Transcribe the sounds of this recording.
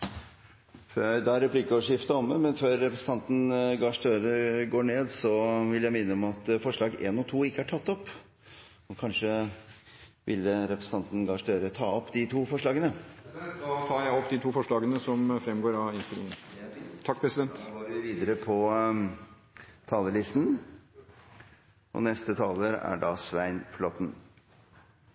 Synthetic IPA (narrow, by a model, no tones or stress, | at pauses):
fød̪ɑæɾɛpʰlɪkːəɔʋəʂɪft̪əɔməmɛnføːɾːɛpɾəsə̥ɑnt̪n̩ɡɑʂd̪øːɾəɡoːɳeːd̪sɔʋɪljæɪmɪnːəɔmɑt̪fɔʂɭɑːɡḛːnɔt̪ʰuːɪkːəhæʈʰɑt̪ːɔpː | ɔkʰɑnʂə | ʋʔɪ̰lːəɾɛpɾəs̩n̩ɑnt̪n̩ɡɑʂd̪øːɾət̪ʰɑːɔpːd̪ɪt̪ʰuːfɔʂɭɑːɡənə | t̪ʰɑːɾjæɪɔpːd̪ɪt̪ʰuːfɔʂɭɑːɡənəsɔmfɾɛmɡoːɾɑɪnst̪ɪlɪŋt̪ʰɑk̚ːpʰɾɛsɪd̪ɛnt̪ɡoːɾʋɪʋiːd̪əɾəpʰɔ | t̪ʰɑːləlɪst̪n̩ | ʔɔ̰nɛst̪ət̪ʰɑːləɾæ̰ɖɑsʋæɪnflɔt̪n̩